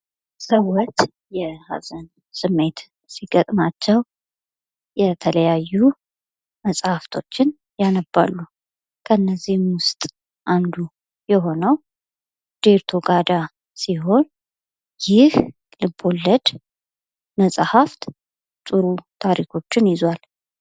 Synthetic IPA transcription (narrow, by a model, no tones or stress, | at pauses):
səwːɔt͡ʃː | jɛha̰zən | sɨmːe̞t̪ | siɡət̪ʼmat͡ʃːɛw | jɛt̪ʰələjajːu | məsʼhaft̪ʰo̞̰t͡ʃːɪn | janəbːa̰lːu | kʰəɨnːəzːihmwʊst̪ʼ | ʔand̪u | jɛɦo̞nəw | d̪̥eɾt̪ʰo̞ɡad̪a | siɦo̞n | jɪh | lɨbːo̞lːəd̪ | məsʼhaft̪ | t̪ʼɨɾut̪ʰaɾikʰo̞t͡ʃːɪnjɪzwal